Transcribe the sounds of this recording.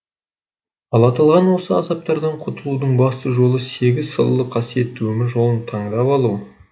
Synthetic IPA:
ɑlˠɑt̪əlˠʁɑnwo̞səɑ̰zɑp̚t̪ɑɾd̪ɑɴqʰʊt̪əlˠud̪əɴbɑst̪əʒo̞lˠəse̞ɡʲɪzsə̰lˠːəqʰɑsije̞t̪ːɪwɵmɪɾʒo̞lˠənt̪ʰɑɴd̪ɑpɑlˠu

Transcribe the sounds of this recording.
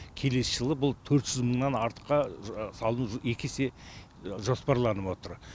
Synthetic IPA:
kʲʰe̞le̞səʒ̥əlˠəbʊlˠt̪ʰɵɾt̪ʒ̥ʏzməɴnɑnɑɾt̪ə̥qːɑsɑlˠənuʒje̞kʲʰese̞ | ʒo̞spɑɾlˠɑnəpwo̞t̪əɾ

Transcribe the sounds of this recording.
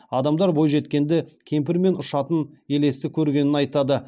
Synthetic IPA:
ɑd̪ɑmd̪ɑɾbo̞jʒe̞t̪kʲe̞nd̪ɪkʲʰe̞mp̬ɪɾme̞nʊʃɑt̪əne̞le̞sɪkʲʰɵɾɡʲe̞nɪnɑjt̪ɑd̪ə

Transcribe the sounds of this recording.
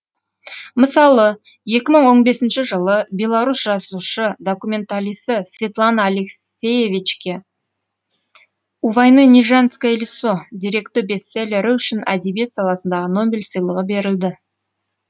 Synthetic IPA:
məsɑlˠə | je̞kʲɪməɴwo̞ɴbe̞sɪnʃɪʒəlˠəbʲe̞lˠaɾusʒɑzuʃəd̪o̞kumʲe̞nt̪alijsəsvʲe̞t̪lˠanaːlʲeksʲ | e̞jevʲit͡ʃkʲe | uvɑjnəniʒanskaelʲisod̪iɾe̞kt̪oɾbʲe̞sːe̞leɾɪʏʃɪnʔad̪ebijet̪sɑlˠɑsənd̪ɑʁəno̞bʲelʲsəjlˠəʁəbe̞ɾɪld̪ɪ

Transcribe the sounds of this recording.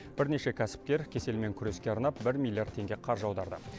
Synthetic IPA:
b̥ɪɾne̞ʃe̞kʲʰæsɪ̥p̚kʲe̞ɾkʲʰe̞se̞lme̞ŋkʲʰʏɾe̞skʲe̞ɑɾn̪ɑp̚bɪɾmʲilʲːijard̪t̪ʰːe̞ŋɡʲe̞qʰɑɾʒɑwd̪ɑɾd̪ə̰

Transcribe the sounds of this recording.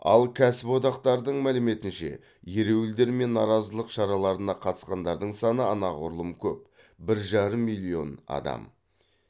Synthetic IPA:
ɑ̰lˠkʲʰæsɪpwo̞d̪ɑqt̪ɑɾd̪əɴmælɪme̞t̪ɪnʃe̞̰ | je̞ɾe̞wɪld̪e̞ɾme̞nːɑɾɑzəlˠəqʃɑɾɑlˠɑɾənɑqʰɑt̪ə̥sqɑnd̪ɑɾd̪əɴsɑnəɑnɑʁʊɾlˠəmkʲʰɵp̚ | bɪɾʒɑɾəmːijlʲio̞̰nɑ̰d̪ɑ̰m

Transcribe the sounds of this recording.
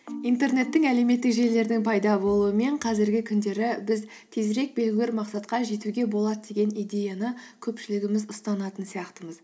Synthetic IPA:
ijnt̪e̞ɾne̞t̪ːɪŋæle̞me̞t̪ːɪkʒe̞le̞ɾd̪ɪŋpʰɑjd̪ɑbo̞lˠuəme̞ɴqʰɑzɪɾɡʲɪkʲʰʏnd̪e̞ɾɪbɪz | t̪ʰe̞zɾe̞k̚be̞lɡʲɪlʲeɾmɑqsɑt̪qɑʒe̞t̪uɡʲe̞bo̞lˠɑd̪əd̪e̞ɡʲe̞nijd̪ʲe̞janəkʲʰɵpʃɪlɪɡʲɪmɪzʊst̪ɑnɑt̪ənsijɑqt̪əməz

